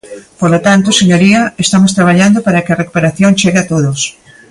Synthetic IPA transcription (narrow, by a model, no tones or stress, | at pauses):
polot̪ant̪oseɲoɾiɐest̪amost̪ɾaβ̞aʎand̪opaɾɐkɪɐrekupeɾaθjoŋt͡ʃeɣeat̪oðos